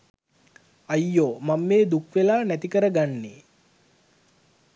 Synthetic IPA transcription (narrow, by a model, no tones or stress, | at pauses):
ajːoːmamːeːd̪ukʋelaːnæt̪ikəɾəɡanːe